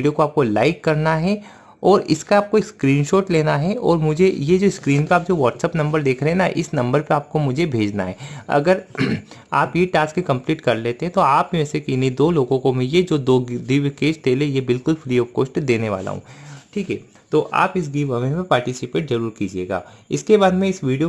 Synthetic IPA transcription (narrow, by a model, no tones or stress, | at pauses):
iɖijokoaːp̚kolaːɪkːɐɾnaɦɛ | ɔːɾɪskaaːp̚koɪkskɾiːnʃoːʈleːnaɦɛɔːɾmʊd͡ʒʱejed͡ʒoːɪskɾiːnpeaːp̚d͡ʒoːʋɔːʈsɛːpnɐ̃mbəɾd̪eːkʰɾeɦɛnaʔɪ̰snɐ̃mbəɾpeaːp̚komʊd͡ʒʱebʱeːd͡ʒna̰ɦɛːɐ̰ɡəɾ | aːpjeʈaːskekɐ̃mpliːʈkɐɾleːt̪ẽɦɛ̃t̪oaːpɛːsekinid̪oːloːɡõkõmɪlied͡ʒoːd̪oːd̪iʋkeːd͡ʒt̪eːlejebɪlkʊlfɾiːɔːfkoːsʈd̪eːneʋa̰ːla̰ɦṵ̃ːʈʰiːkɦɛ̰ː | t̪oːʔa̰ːpɪs̬ɡiːʋɐmẽpẽpaːɾʈɪsɪpeːʈzɐɾuːɾkiːd͡ʒiḛːɡa̰ːɪ̰skebaːd̪mɛ̃ɪsʋiːɖijo